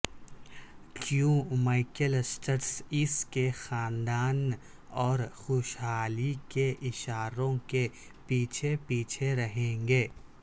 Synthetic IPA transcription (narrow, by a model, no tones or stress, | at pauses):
kjũmaɪkəlsʈəɾsɪskexaːnd̪aːn | ɔːɾxoːʃɦaːlikeʔɪʃaːɾõke | piːt͡ʃʰepiːt͡ʃʰeɾɐɦẽːŋɡeː